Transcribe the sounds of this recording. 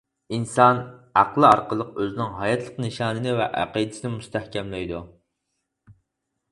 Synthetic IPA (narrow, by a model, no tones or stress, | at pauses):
insɑnɑqlˠɨɑɾqəlˠəqøznɪŋɦɑjɑt̪ʰlˠəqnɨʃɑːnɨnɪvɛ̰ʔæ̰qid̪ɪsɪnɪmust̪ʰæhkʲɛmlɪjd̪u